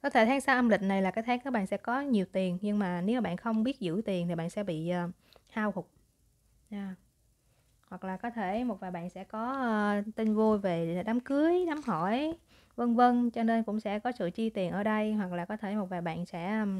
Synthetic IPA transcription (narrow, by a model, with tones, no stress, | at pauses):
kɔ˨˦t̪ʰe˧˩t̪ʰaː˨˦ŋsaː˧ʔə˧mlï˨˩k̟̚na˨˩jlaː˨˩kaː˨˦jt̪ʰaː˨˦ŋkaː˨˦k̚ɓa̰ː˧˨nsɛ̰˧˥kɔ˨˦ɲi˨˩əwt̪i˨˩ənɲɨ˧ŋmaː˨˩ne˨˦wmaː˨˩ɓa̰ː˧˨nxə˧wŋ͡mɓi˦˥ət̚zɨ̰˧˥t̪i˨˩ənt̪ʰi˨˩ɓa̰ː˧˨nsɛ̰˧˥ɓḭ˧˨ʔəː˨˧˩ | haː˧whʊ˨˩k͡p̚ | zaː˧ | hwa˨˩k̚laː˨˩kɔ˨˦t̪ʰe˧˩mo˨˩t̚vaː˨˩jɓa̰ː˧˨nsɛ̰˧˥kɔ˨˦˧t̪i˧nvu˧jve˨˩ɗaː˨˦mkɨ˨˦əjɗaː˨˦mhɔ˧˩˨j | və˧nvə˧nt͡ɕɔ˧ne˧nkʊ̰˧˥ŋ͡msɛ̰˧˥kɔ˨˦sɨ̰˧˨t͡ɕi˧t̪i˨˩ənʔəː˧˩ɗə˧jhwa˨˩k̚laː˨˩kɔ˨˦t̪ʰe˧˩mo˨˩t̚vaː˨˩jɓa̰ː˧˨nsɛ̰˧˥